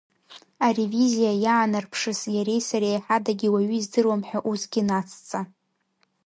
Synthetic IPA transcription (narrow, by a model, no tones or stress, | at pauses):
aɾevizijajaːnɨrpʰʂɨsjaɾe̞jsaɾejħadaɡʲiwaɥʏːzdɨrwamħʷᶣaʔusɡʲinat͡sʰʼt͡sʼa